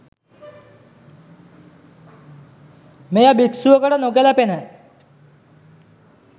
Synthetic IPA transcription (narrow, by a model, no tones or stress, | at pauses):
mejabiʈsuəkəʈənokelapena